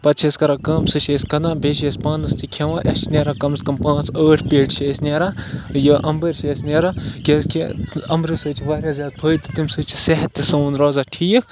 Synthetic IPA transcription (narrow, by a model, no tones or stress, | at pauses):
pɐt̪t͡ʃʰesʲkɐɾakɐmsɨt͡ʃʰeːsʲkɐnãːbʱʲeːʃeːsʲpãːnɐst̪ʰikʰɐʋãːʔɐt͡ʃʰnʲeːɾaːkɐmskɐmpãːt͡səːʈʰpʲeːɖʃʰeːsʲnʲeːɾaːjəʔɐmbəɾʲʃeːsʲnʲɐːɾaːkʲeskʰiɐmɾisɨːt͡ʃʰiʋaːɾʲjaːzʲaːd̪̚pʰəːjt̪it̪imsɨt͡ʃʰi̥seɦɐt̪ːisoːnɾɔːzaːʈʰiːkʰ